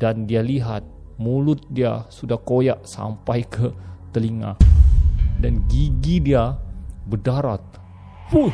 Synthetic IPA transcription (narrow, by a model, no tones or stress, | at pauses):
dandialiɦat̪̚ | mulʊt̪̚diasudahkojaʔsa̰mpajkʰət̪əliŋa̰ | danɡiɡidiabərdaɾa̰t̪̚ | pu